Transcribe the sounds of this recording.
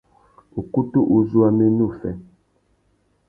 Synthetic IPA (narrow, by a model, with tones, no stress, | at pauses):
u˨ku˦tu˦ʔu˨zu˦a˦me˦nu˦˨fɛ̰˨